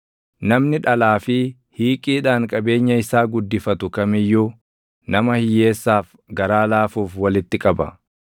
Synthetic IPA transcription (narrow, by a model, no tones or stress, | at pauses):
nɐmnɪᶑɐlaːfɪ | hiːkʼiːᶑaːŋkʼɐbe̞ːɲːɐɪsaːɡʊd̪ːɪfɐt̪ʊkɐmɪjːuː | nɐmɐhɪjːeːsːaːf | ɡɐɾaːlaːfuːfwɐlɪt̪ːɪkʼɐbɐ̰